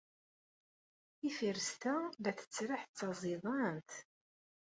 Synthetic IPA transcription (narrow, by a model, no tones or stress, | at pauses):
ifiɾəst̪æðæθə̥t͡sːɾaħt͡sːɑzˤiðˤɑnt̪